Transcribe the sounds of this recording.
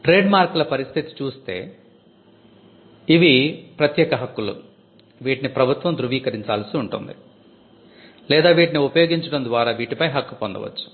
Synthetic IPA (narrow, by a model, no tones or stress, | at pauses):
ʈɾeːɖmaːɾkulɐpɐɾist̪ʰit̪i̥t͡ʃuːst̪ḛː | iʋipɾɐt̪jɛːkɐɦɐkːulṵ | ʋiːʈinipɾɐbʱut̪ʋɐmd̪ɾuʋiːkɐɾiɲt͡ʃaːlɐsiuɳʈund̪ḭ | lɛːd̪aːʋiːʈiniupɐjoːɡiɲt͡ʃɐɽɐmd̪ʋaːɾaːʋiːʈipɐjɦɐkːupond̪ɐ̰ʋɐ̰t͡ʃːu̥